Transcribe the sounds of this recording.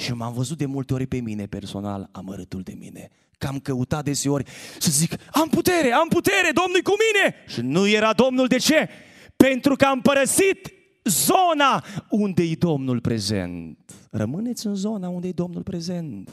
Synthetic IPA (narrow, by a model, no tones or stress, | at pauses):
ʃimamvəzut̪̚d̪e̞mult̪eo̞ɾʲpe̞mine̞pe̞rso̞̰na̰la̰məɾɨt̪uld̪e̞̰mḭne̞̰ | kamkəut̪at̪̚d̪e̞seo̞rʲsəzikamput̪e̞ɾe̞amput̪e̞ɾe̞d̪o̞mnujkumine̞ʃinujeɾad̪o̞mnuld̪e̞t͡ʃe̞ | pe̞nt̪ɾukəampəɾəsit̪ | zo̞naund̪ejed̪o̞mnulpɾe̞ze̞̰nt̪rə̰mɨne̞t̪sʲɨnzo̞naund̪ejd̪o̞mnulpɾe̞ze̞nt̪